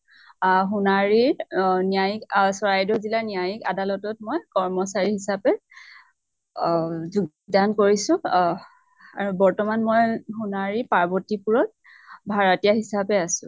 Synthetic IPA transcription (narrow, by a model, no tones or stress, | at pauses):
ɦunaɹiɹnijajiksɔɹajdɔzilanijajika̰dalɔtɔt̚mojkɔɹmɔsaɹiɦisapɛ | zuɡ | dankoɹisʊ̃ | aɹubɔɹtɔmanmojɦunaɹipaɹbɔtipuɹɔt̚ | bʱaɹatijaɦisapɛasʊ̥̰̃